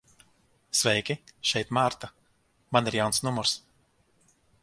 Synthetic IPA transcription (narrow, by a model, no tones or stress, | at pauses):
svʲɛjkʲiʃɛjt̪maːɾt̪a | maniɾjawnsnumɔɾs